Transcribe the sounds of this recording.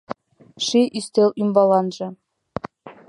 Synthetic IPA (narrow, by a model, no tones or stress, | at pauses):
ʂiʔist̪elʲymbɑlˠɑnʒɤ̆